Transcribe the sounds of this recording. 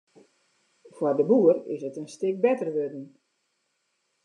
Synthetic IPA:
fwɔrdəbuərɪ̰sətənstɪk̚bɛtərʋødn̩

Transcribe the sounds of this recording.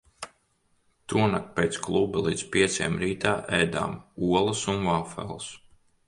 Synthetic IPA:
t̪uɔnak̚pʲeːt̪sklˠubɐlˠiːd̪spʲiɛt̪sʲḛːmɾiːt̪aːʔɛjd̪a̰ːmuɔlˠɐsunvaːfɛ̰lˠs

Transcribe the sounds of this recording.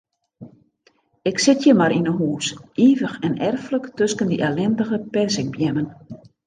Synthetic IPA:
ɪksɪtʰjəmaɾinənɦuːsʔiːvəxɛnʔɛrfləktøskəndiʔɛlɛndəɣəpɛrsɪŋ̚bjɛmən

